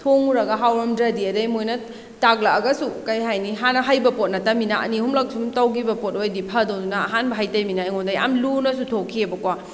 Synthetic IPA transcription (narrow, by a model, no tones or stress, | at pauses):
tʰoŋuɾɐɡɐɦawɾɐmdɾɐdiɐdɐjmojnɐ | taɡlaɐɡɐsukɐjɦajniɦanɐɦajbɐpot̚nɐtɐminaʔɐ̰nihumlak̚sumtawɡibɐpot̚ojdipʰɐdowdunɐːɦanbɐɦajtɐjminajŋɔndaja̰mlunɐsutʰokʰiebɐkwa